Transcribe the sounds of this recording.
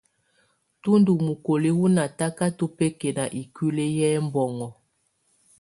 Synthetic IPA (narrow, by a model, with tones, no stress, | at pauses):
tu˦ndu˨mu˨ko˨le˦wu˦na˨ta˦ka˦to˦pe˦ke˨na˨ʔi˨ki˦le˦jɛ˦mbɔ˨ŋɔ˨